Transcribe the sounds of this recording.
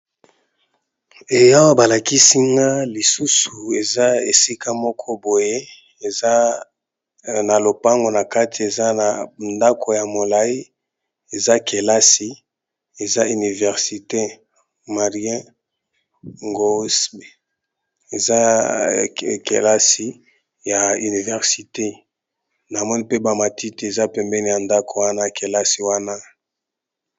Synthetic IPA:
e˨ja˦wa˦ba˨la˨ki˦si˦ŋɡa˦li˨su˦su˨e˨za˦e˨si˦kʰa˦mɔ˦kʰɔ˦bo˨je˦ | e˨za˦ | na˨lo˨pa˦ŋɡo˨na˨ka˦tʰi˨e˨za˦na˨nda˦kʰo˨ja˨mo˨la˦i˦ | e˨za˦kʰe˨la˦si˨ | e˨za˦y˨ni˨vɛ˨ʁsi˨te˦ | ma˨ʁjɛ̃˦ | ŋɡo˦s | e˨za˦ | kḛ˨la˦si˨ | ja˨y˨ni˨vɛ˨ʁsi˨te˦ | na˨mɔ˦ni˦pe˦ba˨ma˨ti˦ti˨e˨za˦pɛ˨mbɛ˦ni˨ja˨nda˦ko˨wa˦na˦kʰe˨la˦si˨wa˦na˦

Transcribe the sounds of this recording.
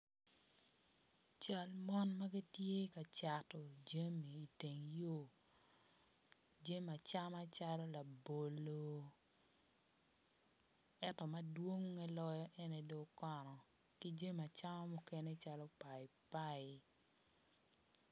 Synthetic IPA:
t͡ʃa˦lmɔ˦nma˦ɡi˦tje˦ka˨t͡ʃa˨tɔ˨d͡ʒa˦miː˨te˨ŋjo˦˨ | d͡ʒe˦ma˨t͡ʃa˦ma˦t͡ʃa˦lɔ˦la˨bo˨lo˦ | ɛ˦tɔ˨ma˨dwo˦ŋːɛ˦lɔ˦jɔ˦ʔɛ˦ne˨do˦kɔ˨nɔ˨ | ki˦d͡ʒe˦ma˨t͡ʃa˦ma˦mu˦ke˦ne˦t͡ʃa˦lɔ˦pa˨ɪ˨pa˦ɪ˨

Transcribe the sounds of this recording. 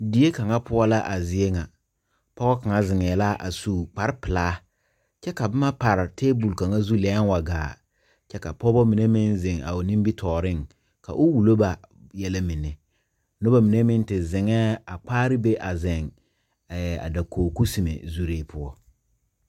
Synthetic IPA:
di˨je˦ka˨ŋa˦pʊ˦ɔ˦la˦ʔa˨zɪ˨e˦ŋa˨ | pɔ˦ɣɔ˦ka˨ŋa˦zɪ˨ŋɛː˨la˦ʔa̰˨suː˨k͡pa˨ɾɪ˦pɪ˨laː˦ | t͡ʃɛ˦ka˨ba˦ma˦pa˨ɾɪ˨teː˦bu˨lka˨ŋa˦zu˦lɛ˨˦n˦wa˨ɡaː˨ | t͡ʃɛ˦ka˨pɔ˦bɔ˦mi˨ne˦mɪ˦nzɪ˨ŋa̰˨o˨nĩ˦mbi˦tʰɔː˨ɾɪ˦˨ŋ | ka̰˨ʔʊ˦wu˨lo˦ba˨ | jɛ˦la˦mɪ˨nɛ˨ | nʊ˦ba˦mi˨ne˦mɪ˦n˦tɪ˨zɪ˨ŋɛː˦a˨k͡paː˦ɾɪ˦be˦ʔa˨zɛ˨ŋ˨ | a̰˨da˨koː˨ku˦si˨mḛ˨zu˦ɾeː˦pʰʊ˦ɔ˦

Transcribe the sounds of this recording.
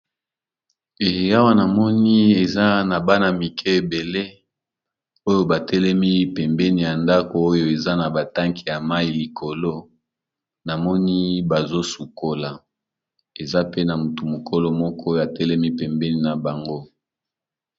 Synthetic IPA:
e˨ja˦wa˦na˨mɔ˦ni˦e˨za˦na˨ba˦na˨mi˨kʰɛ˦e˨be˨le˦ | o˦jo˦ba˨tʰɛ˦lɛ˦mi˦pɛ˨mbɛ˦ni˨ja˨nda˦ko˨o˦jo˦˨e˨za˦na˨ba˨ta˦ŋkʰi˨ja˨ma˦i˨li˨kʰo˨lo˦ | na˨mɔ˦ni˦ba˨zo˦su˨ko˦la˨ | e˨za˦pe˦na˨mu˨tu˨mo˨kʰo˦lo˦mɔ˦kʰɔ˦˨a˨tɛ˦lɛ˦mi˦pɛ˨mbɛ˦ni˨na˨ba˨ŋɡo˦

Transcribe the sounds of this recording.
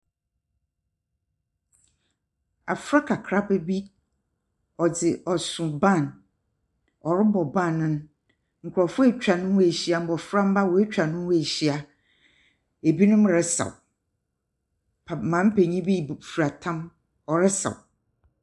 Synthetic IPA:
a̰˨fɾa˦kʰa˨kʰɾa˦bɛ˦bi˦ | ɔ˨d͡zɪ˨ʔɔ˨sʊ̃˨bã˦˨n | ɔ˨ɾɪ˦bɔ˨bã˦˨nʊ̃˦n˦ | ŋ̩˨kʰʷʊ˨ɾɔ˨fʊ˦e˦˨t͡ɕᶣa˨nʊ̃˦we˨ɕi˦a˨m̩˦bɔ˨fɾa˦m̩˦ba˦wɔ˨e˦t͡ɕᶣa˨nʊ̃˦we˨ɕi˦a˦ | e˨bi˦nʊ̃˦m˦ɾɛ˦sa̰˨w | pʰa˨mã˨˦m̩˦pʰe˨ɲĩ˦bi˦˨fu˨ɾa˨tʰã˦m | ɔ˨ɾɛ˦sa̰˨w

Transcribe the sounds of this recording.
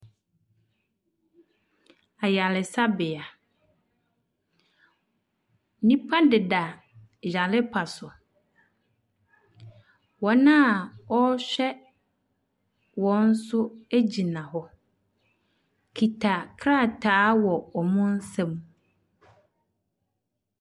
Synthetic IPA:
a˨ja˨lɪ˨sa˦bɪ˨a˨˦ | nĩ˦pʰa˦dɪ˨da˨ | ja˨lɪ˦pʰa˨sʊ˨ | wɔ˨nã˦˨ɔ˦ɕᶣɛ˦ | wɔ̃˨˦n̩˦sʊ˦æ˦d͡ʑi˨nã˨ɦɔ˦ | kʰi˨tʰa˨kʰɾa˦˨tʰaː˨˦wɔ˨ɔ˨mʊ̃˦n̩˦sɛ̃˦m

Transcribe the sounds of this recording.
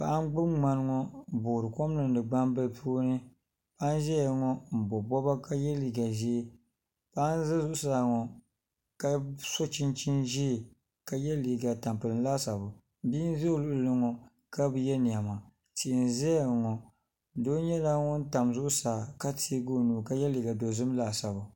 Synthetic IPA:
pa˨ʔa˦n˦ɡ͡bɨ˦bŋ͡ma˦n˦ŋɔ˦˨bo˨ɾɨ˨kɔ˦m˦nɨ˨n˦dɨ˨ɡ͡ba˦mbɨ˦lpʰuː˦nɨ˦ | pa˦n˦ʒɛ˦ja˨ŋɔ˦m̩˨bɔ˨bɔ˦ba˦ka˦jɛ˦liː˨ɡa˨ʒi˦ | pa˦n˦zɨ˦zʊ˦ʔʊ˦saː˨˦˨ŋɔ˨ | ka˦sɔ˦t͡ʃi˦nt͡ʃi˦nʒi˦˨ | ka˦jɛ˦liː˨ɡa˨ta˨mpɨ˨lɨ˨n˦laː˦sa˨bʊ˨ | biː˦n˦zo˦˨lʊ˦ʔlɨ˦ŋɔ˨ | ka˦bɨ˨jɛ˦ni˨a˨ma˨ | ti˨ʔɪ˨n˨zɛ˦a˨ŋɔ˨ | doː˦ɲɛ˦la˦ŋʊ˦n˦ta˨mzʊ˦ʔʊ˦saː˨ka˦tʰi˦ɡo˦nuː˨ka˦jɛ˦li˨ɡa˨do˨zɨ˦m˦la˨sa˨bʊ˨

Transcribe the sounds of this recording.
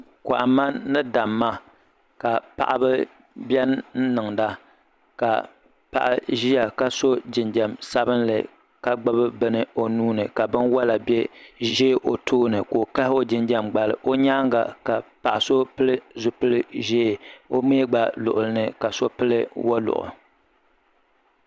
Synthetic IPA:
ka˨ʔa˨ma˦nɨ˦da˨mːa˦ | ka˨pa̰˨ʔa˨bɨ˦ | bɛ˦nn̩˦nɨ˨ŋda˦ | ka̰˨ | pa̰˨ʔa˨ʒi˦ja˨ka˦so˦d͡ʒɪ˨nd͡ʒɛ˨msa˦bɨ˦nlɨ̰˨ | ka˦ɡ͡ba˦bɨ˦bɨ˦nɨ˦o˦nuː˦nɨ˨ka˨bɨ˦nwa˦la˨bɛ˦ʒe˦ʔo˨tʰoː˦nɨ˨ko˨ka˦ho˦d͡ʒɪ˦nd͡ʒɛ˦mɡ͡ba˨lɨ̰˨ʔo˦ɲaː˦ŋɡa̰˨ka˨pa˨ʔa˨so˦pɨ˦lɨ˦zʊ˨pɨ˦lɨ˦ʒɛː˦˨o˦meː˦ɡ͡ba˨lʊ˨ʔʊ˨lɨ˦nɨ˦ka˨so˦pɨ˦lɨ˦wa˦lʊ̰˨ʔʊ̰˨

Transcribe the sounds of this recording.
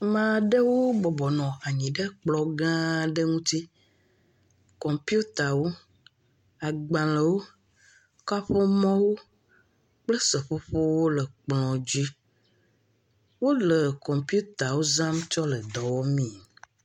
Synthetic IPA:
mã˨ɖe˦wo˦bɔ˨bɔ˨nɔ̃˨a˨ɲĩ˨ɖe˦k͡plɔ˨ɡã˦ɖe˦ŋũ˦t̪i˦ | kɔ̃˨mpju˦t̪a˨wo˦ | a˨ɡ͡bã˨le˨wo˦ | ka˦ɸo˦mɔ̃˦wo˦ | k͡ple˦sə˨ɸo˦ɸo˦wo˦lə˨k͡plɔ̃˨d͡ʑi˦ | wo˦le˨kɔ̃˨mpi˦u˦t̪a˨wo˦za˦mt͡ʃɔ˦lə˨d̪ɔ˨wɔ˦mĩ˦

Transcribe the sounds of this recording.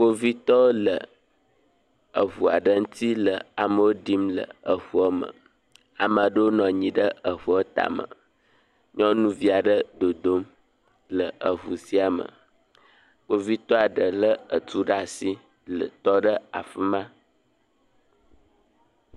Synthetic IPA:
k͡po˦vi˦t̪ɔ˦wo˦lə˨ | ə˨ɦu˨a̰˨ɖə˦ŋu˦t̪ʰi˦lə˨a˨mə˦wo˦ɖi˦mlə̰˨ə˨ɸu˦ə˦mə̰̃˨ | a˨mã˨ɖə˦wo˦nɔ̃˨ɲĩ˨ɖə˦ə˨ɸu˨˦ə˦t̪a̰˨mə̰˨ | ɲɔ̃˦nũ˦vi˦a˨ɖə˦d̪o˨d̪o˦m | lə˨ʔə˨ɦu˨si˦a˨mə̰̃˨ | k͡po˦vi˦t̪ɔ˦a˨ɖə˨lə˦ə˨t̪u˦ɖa˦˨si˦ | lə̰˨t̪ɔ˦ɖə˦a̰˨fə˦mã˦

